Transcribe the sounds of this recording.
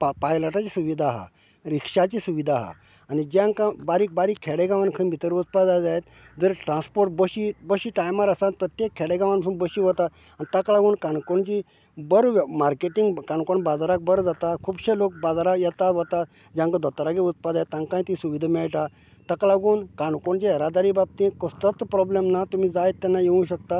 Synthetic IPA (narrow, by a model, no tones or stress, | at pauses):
papajlaʈat͡ɕisuʋid̪ʱaɦa̰ | ɾikʂat͡ɕisuʋid̪ʱaɦa̰ː | nid͡ʑãŋkãbaɾiːk̚baɾiːkʰːɛɽeɡãʋankʰənbʱit̪əɾut̪pad͡zajd͡zajet̪ | d͡zəɾʈɾãnspoɾʈ̚bəɕibəɕiːʈajmaɾasãt̪̚pɾət̪jekʰːeɽeɡãʋanbasuːnbəɕiʋɔt̪a | anit̪aklaɡuːnkaɳkoɳt͡ɕi | bəɾʋmaɾkeʈiŋɡkãɳkoɳbad͡zaɾak̚bəɾd͡zat̪akʰuːbɕelok̚bad͡zaɾajɛt̪aʋɔt̪a | d͡ʑãŋkad̪ɔt̪ɾaɡeut̪pad̪ajet̪ːãŋkãĩt̪isuʋid̪ʱamɛɭʈa | t̪aklaɡuːnkãɳkoɳt͡ɕeəɾad̪aɾiːbab̚t̪ĩkɔst̪ət̪pɾɔblemnat̪umiːd͡zajet̪ːɛnːajeũɕ̬ək̚t̪a